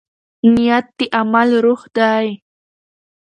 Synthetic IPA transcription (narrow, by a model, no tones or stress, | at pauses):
njat̪ːɪʔamalɾoχd̪aj